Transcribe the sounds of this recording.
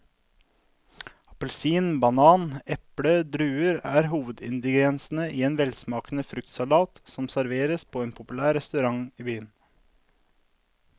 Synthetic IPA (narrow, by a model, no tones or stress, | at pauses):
ɑpəlsiːnbɑnɑːnɛpɽəd̪ɾʉːəɾæːɾɦuːʋəd̪ɪ̰nd̪əɡɾɛnsn̩əʔiːeːnʋɛlsmɑːkənəfɾʉk̚t̪sɑlɑːt̪sɔmsæɾʋeːɾəspʰoːeːnpʰʊpʉlæːɾɛst̪ʉɾɑŋiːbyːən